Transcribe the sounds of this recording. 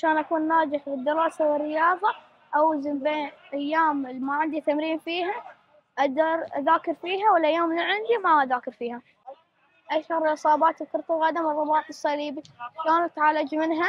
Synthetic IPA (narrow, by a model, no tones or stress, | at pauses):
ʕaʃaːnʔakuːnːaːd͡ʒɪħlɪd̪ːɪɾˤɑːsawɪrːɪjɑːðˤɑ | ʔawzɪmbeːnʔajːaːmmaʕɪnd̪it̪amɾiːmfiːɦa | ʔad̪ɑɾˤʔaðaːkɑɾfiːɦawɪlʔajːaːmːliʕɪnd̪imaʔaðaːkɪɾfiːha | ʔaʃhɑɾˤʔɨsˤɑːbɑːt̪ɪlkʊɾt̪ˤʊɣɑːd̪amɪrˤːɑbɑːt̪ɨsˤːɑliːbiaʃaːnat̪ʕalad͡ʒmɪnɦa